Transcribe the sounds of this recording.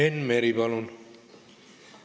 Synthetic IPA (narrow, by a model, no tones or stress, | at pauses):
enmeɾibʌlun